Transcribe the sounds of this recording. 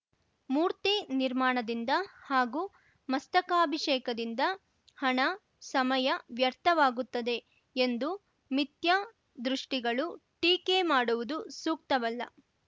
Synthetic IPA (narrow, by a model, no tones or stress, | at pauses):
muːɾt̪iniɾmaːɳɐd̪ind̪ɐhaːɡuː | mɐst̪ɐkaːbʱiʂɛːkɐd̪ind̪ɐ | hɐɳɐ | sɐmɐjɐʋjɐɾt̪ʰɐʋaːɡut̪ːɐd̪e̞ | end̪u | mit̪jɐ | d̪ɾuʂʈiɡɐɭuʈiːkeːmaːɽuʋud̪usuːk̚t̪ɐʋɐlːɐ